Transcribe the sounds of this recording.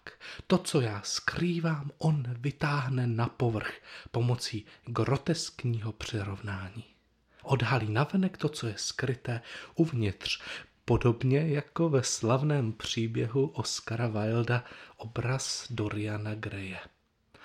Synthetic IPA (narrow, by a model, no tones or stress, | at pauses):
t̪o̞t͡so̞jaːskɾiːvaːmʔo̞nvɪt̪aːɦnɛnapo̞vr̩xpo̞mo̞t͡siːɡɾo̞t̪ɛskɲiːɦo̞pr̝̥ɪɾo̞vnaːɲiː | ʔo̞dɦaliːnavɛnɛkt̪o̞t͡so̞jɛskɾɪt̪ɛːʔuvɲɪt̪r̝̥po̞do̞bɲɛjako̞vɛslavnɛːmpr̝̥iːbjɛɦuʔoskaɾavajldaʔobɾasdo̞ɾɪanaɡɾɛjɛ